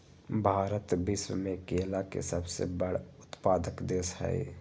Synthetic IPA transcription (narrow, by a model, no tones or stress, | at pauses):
bʱaːɾət̪bɪʃwəmẽkeːlakḛsəbsḛbəɽ̤ʊt̪paːd̪əkd̪eːsa̰ḛ